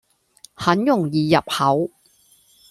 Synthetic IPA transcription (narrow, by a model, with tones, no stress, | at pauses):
hɐ˨˥njʊ˨˩ŋjiː˨jɐ˨p̚hɐ˨˥w